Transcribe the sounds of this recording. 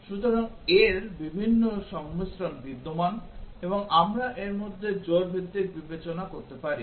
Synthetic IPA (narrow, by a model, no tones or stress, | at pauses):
ʃut̪oɾaŋ | eɾbibʱinːoʃɔŋmisɾonbid̪ːomaneboŋamɾaʔeɾmod̪ʱːed͡ʑoɾbʱit̪ːiɾbibet͡ɕonakoɾt̪epaɾḭ